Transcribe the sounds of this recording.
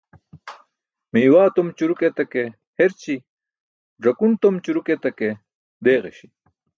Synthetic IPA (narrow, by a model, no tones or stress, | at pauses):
miːwaːt̪omt͡ɕuɾuket̪ɐke | heɾt͡ɕi | ɖɐkunt̪omt͡ɕuɾuket̪ɐke | d̪eːɣḛɕi̥